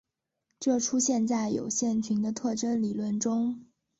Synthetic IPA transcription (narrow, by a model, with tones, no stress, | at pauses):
ʈ͡ʂɤ˥˩ʈ͡ʂʰu˥ɕjɛ˥˧nt͡sa˥˩ɪjo̰˨˩ʊɕjɛ˥˩nt͡ɕʰy˧˥nd̪ə˧t̪ʰɤ˥˩ʈ͡ʂə˥nli˨˩lwə˥˩nʈ͡ʂʊ˥ŋ